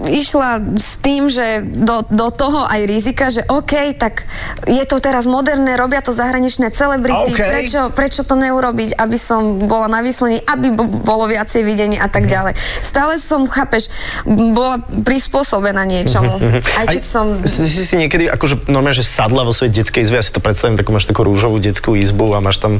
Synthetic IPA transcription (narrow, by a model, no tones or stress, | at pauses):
iʃlast̪iːmʒɛd̪ɔd̪ɔt̪ɔɦɔʔajɾizikaʒɛʔɔːkɛjt̪aɡ | jɛt̪ɔt̪ɛɾazmɔd̪ɛɾnɛːɾɔbɪat̪ɔzaɦɾaɲit͡ʃnɛːt͡sɛlɛbɾit̪ippɾɛt͡ʃɔpɾɛt͡ʃɔt̪ɔɲɛuɾɔbicabisɔmbɔlanaʋislɛɲiʔabibɔlɔʋɪat͡sɛjʋiɟɛɲɪɛʔat̪aɡɟalɛjst̪aːlɛsɔmxaːpɛʃ | bɔlapɾispʊɔsɔbɛnaːɲɪɛt͡ʃɔmuɦajkɛcsɔmssisiɲɪɛkɛd̪iʔa̰kɔʒɛnɔɾmaʒɛsad̪laʋɔsɔɛɟɛtt͡skɛjizbijasi̥t̪ɔpɾɛt̪st̪aʋimt̪akuːmaːʃt̪akuːɾuːʒɔʋuːɟɛt͡skuizbuamaːʃt̪am